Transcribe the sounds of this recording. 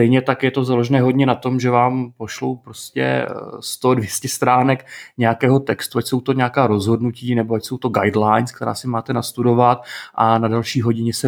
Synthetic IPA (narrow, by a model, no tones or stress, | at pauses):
t̪ɛjɲɛt̪akjɛt̪o̞zalo̞ʒɛnɛːɦo̞dɲɛnat̪o̞mʒɛvaːmpo̞ʃlo̞̰wpɾo̞scɛ̰st̪odvjɛscɛst̪ɾaːnɛkɲɛjakɛːɦo̞t̪ɛkst̪uacso̞wt̪o̞ɲɛakaːɾo̞zɦo̞dnuciːnɛboacso̞wt̪o̞ɡajdlajnskt̪ɛɾa̰ːsɪmaːt̪ɛnast̪udo̞vat̪̚ʔanadalʃiːɦo̞ɟɪɲɛsɛ